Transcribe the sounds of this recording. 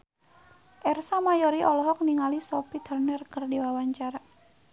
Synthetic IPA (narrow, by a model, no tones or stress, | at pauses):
ʔɛrsɔmajɔɾiʔɔlɔɦɔk̚niŋalisɔpid̪̥ərnərkərdiwawaɲt͡ʃaɾa